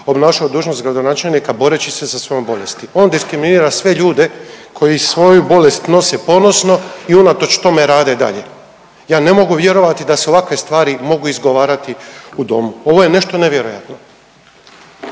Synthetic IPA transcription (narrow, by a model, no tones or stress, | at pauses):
o̞bnaːʃaod̪uːʒno̞st̪ɡɾad̪o̞naːt͡ʃe̞lnikabo̞ɾet͡ɕisesasʋo̞jombo̞le̞st̪io̞ːnd̪iskɾiminiːɾasʋe̞ʎuːd̪e̞kʰo̞jisʋo̞jubo̞le̞st̪no̞se̞po̞no̞sno̞iunat̪o̞t͡ʃt̪o̞me̞ɾaːd̪e̞d̪a̰ʎe̞̰ | jaːne̞mo̞ɡuʋje̞ɾo̞ʋat̪id̪aseo̞ʋakʋe̞st̪ʋaːɾimo̞ɡuizɡo̞ʋaːɾat̪iud̪o̞̰muo̞ʋo̞jene̞ʃt̪o̞neʋje̞ɾoja̰t̪no̞